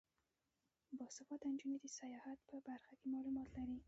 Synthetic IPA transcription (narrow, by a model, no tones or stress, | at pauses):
bɔsɪfɔt̪and͡ʒunid̪əsajɑhat̪̚pəbaɾxakemɑlumɑt̪laɾi